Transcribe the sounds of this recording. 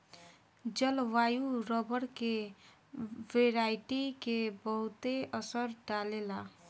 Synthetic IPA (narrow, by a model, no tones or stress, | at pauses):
d͡ʒʌlwajuɾʌbʌɽke | weɾajʈikebʌɦut̪eʌsʌɾɖalela